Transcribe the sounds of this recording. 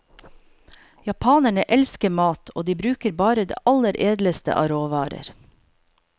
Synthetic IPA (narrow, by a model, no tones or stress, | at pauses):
jɑpʰɑːnəɳəʔɛlskəmɑːt̪ʰoːd̪iːbɾʉːkəɾbɑːɾəd̪ḛːʔɑləɾʔeːd̪ləst̪ə̰ʔɑ̰ɾoːʋɑːɾə̰ɾ